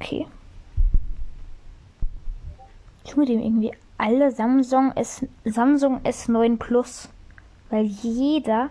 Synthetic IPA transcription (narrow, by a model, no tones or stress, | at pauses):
okʰḛː | tʊmədeːmʔɪ̰ɡŋ̩tv̥ḭː | ʔaləŋzamzʊŋʔɛsnɔʏənpʰl̥ʊs | v̥aɪljeːdɐ